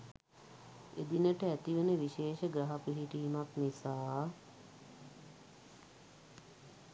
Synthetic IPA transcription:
ḛd̪inəʈəæt̪iʋənəʋiʃeːʃəɡɾaɦapuɦiʈiːmaknisaː

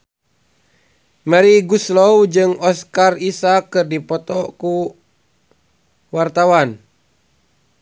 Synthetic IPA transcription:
mɛɾiɡuslɔwd͡ʒɨŋɔskarisakːɨrdipɔt̪ɔku | wart̪awan

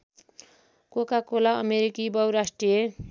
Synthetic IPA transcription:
kokakolaʌmeɾikibʌwɾasʈrije

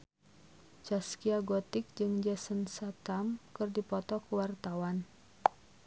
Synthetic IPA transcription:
t͡ʃaskiaɡɔt̪ɪk̚d͡ʒɨŋd͡ʒɛsənsat̪amkɨrdipɔt̪ɔkəwart̪awan

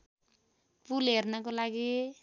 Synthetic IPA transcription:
pulɦernʌkolaɡi

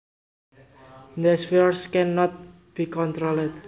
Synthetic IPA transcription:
nɛsfiɔɹskɛnːɔt̪̚b̥ikɔnt̪ɾolɛd

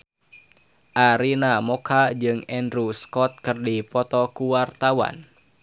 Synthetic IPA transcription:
ʔaɾinamɔkʰad͡ʒɨŋɛndɾuskɔt̪̚kɨrdipɔt̪ɔkuwart̪awa̰n

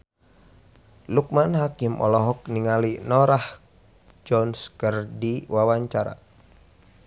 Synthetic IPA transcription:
luk̚manɦakɪmʔɔ̰lɔɦɔk̚niŋalinɔɾah | d͡ʒɔnskərdiwawaɲt͡ʃaɾa̰

